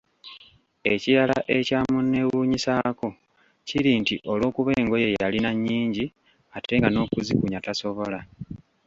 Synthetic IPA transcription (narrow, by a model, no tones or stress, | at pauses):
e̞ciɾalaʔe̞caːmunːe̞wuːɲisako̞ | ciɾintiʔo̞lwo̞ːkuβe̞ːŋɡo̞je̞jalinaɲːiːɲɟi | ate̞ŋɡano̞ːkuzikuɲataso̞βo̞la